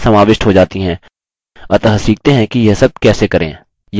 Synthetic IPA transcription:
sɐmaːʋɪʃʈɦod͡ʒaːt̪iɦɛ̃ː | ɐɾt̪ɐɦɐsiːk̚t̪eɦɛ̃kijesɐb̚kɛːsekɐɾḛ̃ː | j

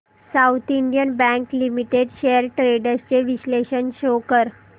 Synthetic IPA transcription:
saut̪ʰiɳɖijənbæ̃ŋklimiʈeɖɕeəɾʈɾeɖəst͡ɕeʋisleɕənɕokəɾ

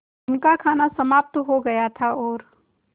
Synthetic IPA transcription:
ʊnkakʰaːnasɐmaːp̚t̪ɦoɡɐjat̪ʰaɔːɾ

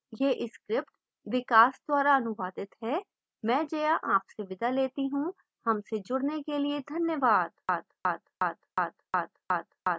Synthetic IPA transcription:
jeːʔɪskɾɪp̚ʈ | ʋɪkaːsd̪waːɾaɐnʊʋaːd̪ɪt̪ɦɛː | mɛ̃ːd͡ʒejaʔaːpseʋɪd̪aleːt̪iɦũ | hɐmsed͡ʒʊɽnekelied̪ʱɐnjəʋaːd̪aːd̪aːd̪aːd̪aːd̪aːd̪aːd̪aː

